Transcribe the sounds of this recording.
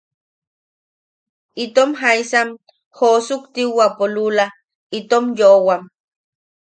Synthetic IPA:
it̪omɦaijsam | hosukt̪iwapolula | it̪omjoʔwam

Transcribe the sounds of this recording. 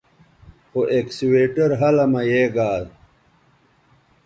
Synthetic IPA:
hoʔeksiweːʈɐɾɦɐlɐmɐjeːɡaːl

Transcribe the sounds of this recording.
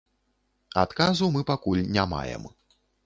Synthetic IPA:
at̪kazumɨpakulʲnʲama̰jɛ̰m

